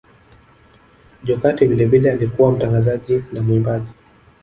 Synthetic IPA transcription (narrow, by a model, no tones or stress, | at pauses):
ʄɔkativilɛvilɛalikuwam̩taŋɡazaʄinamimbaʄi